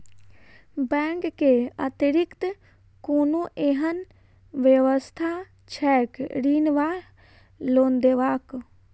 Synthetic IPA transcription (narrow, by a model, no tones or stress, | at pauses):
bɛ̃ːŋkːea̰t̪ɾikt̪ | koːnuʔeɦən | ʋjeʋəst̪ʰa | t͡ʃʰɛːkɾiːnʋaː | loːnd̪eʋaːk